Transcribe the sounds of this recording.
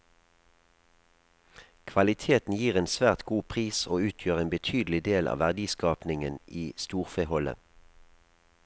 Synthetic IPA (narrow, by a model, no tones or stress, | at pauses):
kʰʋɑlɪt̪ʰeːt̪n̩jiːʁeːnsʋæːʁt̪ɡuːpʰʁiːsoːʉːt̪ʰjøːʁeːnbət̪ʰyːd̪l̩ɪd̪eːlʔɑ̰ːʋæʁd̪iːskɑːpnɪŋəniːst̪uːʁfehɔlə̰